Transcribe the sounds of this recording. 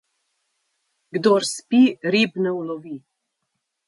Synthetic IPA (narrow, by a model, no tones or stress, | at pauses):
ɡd̪oːɾspiɾibnɛwlɔʋi